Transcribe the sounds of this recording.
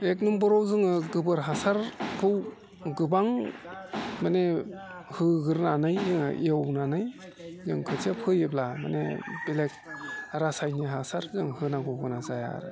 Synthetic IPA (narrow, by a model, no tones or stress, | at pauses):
ek̚numbɔɾɔwzɯŋɯɡɯbɯɾɦasaɾkʰɯw | ɡɯbaŋ | manehɯɡɯɾnanɯjzɯŋɯ̰ʔiawnanɯj | zɯŋkʰɯtʰiapʰɯjeplama̰nebilek̚aɾasajniɦasaɾzɯŋhɯnaɡɯwɡɯnazaja̰ɾɯ̰